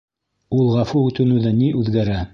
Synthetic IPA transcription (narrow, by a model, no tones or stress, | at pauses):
ulˠʁɑfuʉt̪ɘ̆nʉ̆ðɘniʔʉðɡæɾæ